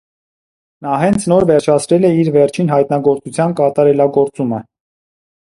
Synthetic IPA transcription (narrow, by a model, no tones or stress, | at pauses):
nɑɦɛnt͡sʰnɔɾvɛɾt͡ʃʰɑt͡sʰɾɛlɛiɾvɛɾt͡ʃʰinɦɑjt̪nɑɡɔɾt͡sut͡sʰjɑnkɑt̪ɑɾɛlɑɡɔɾt͡sumə